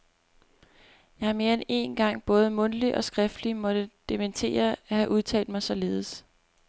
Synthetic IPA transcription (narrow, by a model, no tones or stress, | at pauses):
jɑ̈ɪhɑ̈me̝ːɐene̝nɡ̥ɑ̈ŋ̰b̥ɔ̽ːð̞̩ˠəmɔ̽nliʔɒ̽sɡ̥ʁɛfd̥limɒ̽d̥əd̥ement͡sʰe̝̰ːɐæhæʔuðˠt͡sʰɛ̰ːld̥̚mɑ̈ɪsɒ̽le̝ːð̞̩ˠəs